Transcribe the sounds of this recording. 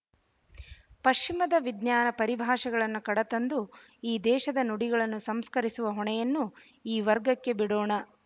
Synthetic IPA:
pɐʂt͡ʃimɐd̪ɐʋid̪ɲjaːnɐpɐɾibʱaːʂɐɡɐɭɐnːukɐɽɐt̪ɐnd̪u | iːd̪ɛːʃɐd̪ɐnuɽiɡɐɭɐnːusɐmskɐɾisuʋɐɦɔɳɛjɐnːu | iːʋɐɾɡɐkːe̞biɽoːɳɐ

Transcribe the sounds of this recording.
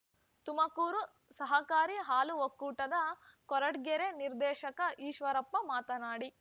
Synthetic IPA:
t̪umɐkuːɾu | sɐɦɐkaːɾiɦaːluʋokːuːʈɐd̪ɐkɔɾɐʈɡɛɾeniɾd̪ɛːʃɐkɐʔiːʃʋɐɾɐpːɐmaːt̪ɐnaːɽi

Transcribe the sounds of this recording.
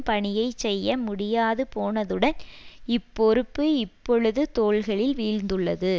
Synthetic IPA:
pɐɳɪjɐɪt͡ʃɛjːɐmʊɽɪjaːðɯpoːnɐðɯɽɐnɪpːɔɾɯpːɯɪpːɔɭɯðɯt̪oːɭɣɐɭɪlʋiːɻnd̪ɯɭːɐðɯ

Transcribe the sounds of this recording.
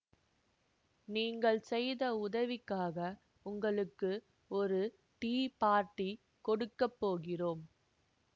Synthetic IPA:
niːŋɡɐɭsɛjðɐʊðɐʋɪkːaːɣɐ | ʊŋɡɐɭɯkːɯ | ɔɾɯ | ʈiːpaːɾʈi | kɔɽɯkːɐpːoːɣɪroːm

